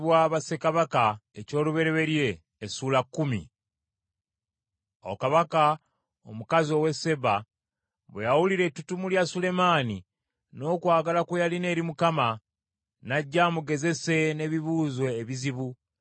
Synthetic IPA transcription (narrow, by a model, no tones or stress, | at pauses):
βwaβase̞kaβakaeco̞ːluβe̞ɾe̞βe̞ɾje̞ː | suːlakːumḭ | o̰kaβaka | omukazio̞we̞se̞βa | βwejawuliɾe̞tutumuljasule̞maːni | no̞ːkwaːɡalakwejaline̞ːɾimukama | naɟːaːmuɡe̞ze̞se̞ne̞βiβuːzwe̞ːβiziβu